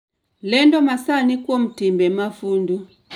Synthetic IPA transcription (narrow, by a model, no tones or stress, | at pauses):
lɛndɔmasanikwɔm̩timbɛmafundu